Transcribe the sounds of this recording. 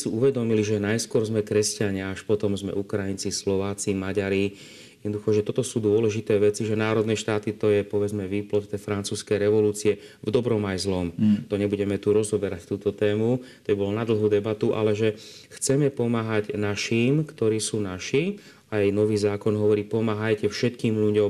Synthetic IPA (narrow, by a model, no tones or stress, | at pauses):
siuʋɛd̪ɔmiliʒɛnajskʊɔɾzmɛkɾɛscaɲɪaaʃpɔt̪ɔmzmɛ̰ukɾajint͡sislɔʋaːt͡simaɟaɾi | jɛd̪nɔd̪uxɔʒɛt̪ɔt̪ɔsuːd̪ʊɔlɛʒit̪ɛːʋɛt͡siʒɛnaːɾɔd̪nɛʃt̪aːt̪it̪ɔjɛpɔʋɛd͡zmɛʋiːplɔt̪t̪ɛfɾant͡suːskɛjɾɛʋɔluːt͡siɛvd̪ɔbɾɔmajzlɔmt̪ɔɲɛbuɟɛmɛt̪uɾɔzɔbɛɾact̪uːt̪ɔt̪ɛːmut̪ɔbibɔlɔnad̪l̩ˠɦuːd̪ɛbat̪uʔa̰lɛʒɛxt͡sɛmɛpɔmaːɦaɟnaʃiːmkt̪ɔɾiːsuːnaʃi | ajnɔʋiːzaːkɔnɦɔʋɔɾiːpɔmaːɦajcɛfʃɛt̪kiːmnuɟɔ